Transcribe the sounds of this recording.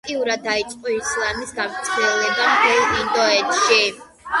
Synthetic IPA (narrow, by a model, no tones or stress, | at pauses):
t̪ʼiuɾad̪ːait̪t͡ʃ̪ʼqʼɔislˠamisɡavt̪sʼʰiɛlˠɛbamt̪ʰɛlˠind̪ɔɛt̪ʃi